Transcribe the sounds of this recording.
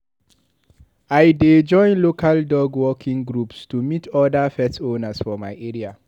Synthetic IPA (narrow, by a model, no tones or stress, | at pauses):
aɪded͡ʒɔ̃ɪ̃nlokʰaldɔɡwɔkʰĩŋɡɹupstumitʰɔdafɛtõnasfɔmaɪʔeɹia